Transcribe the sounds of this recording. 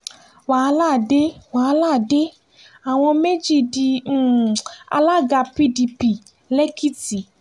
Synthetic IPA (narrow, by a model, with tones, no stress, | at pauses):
wa˨˧la˦˨de˦wa˨˧laː˦˨de˦ | a˨w̃ɔ̃˧me˦d͡ʒi˦˨di˧˦˨a̰˧la˦˨ɡa˧pi˧di˧pi˨ | lɛ˦ki˦ti˨